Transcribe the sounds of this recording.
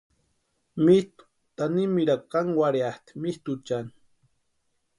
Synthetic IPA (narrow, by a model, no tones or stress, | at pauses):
mist̪u̥ | t̪animiɾakaŋwaɾjaht̪i̥mist̪ut͡ʃani